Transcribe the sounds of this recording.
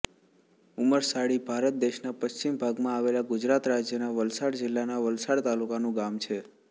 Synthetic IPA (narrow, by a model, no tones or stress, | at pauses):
uməɾsaɽibʱaɾət̪̚d̪eʃnapəst͡ʃimbʱaɡmãaʋelaɡʊd͡ʒɾat̪ɾad͡ʒjənaʋəlsaɽd͡ʒɪlːanaʋəlsaɽt̪alukanũɡamt͡ʃʰe